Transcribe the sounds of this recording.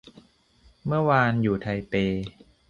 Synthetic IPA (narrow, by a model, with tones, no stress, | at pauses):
mɯ˥˩ɐwaː˧njuː˨˩t̪ʰa˧jpeː˧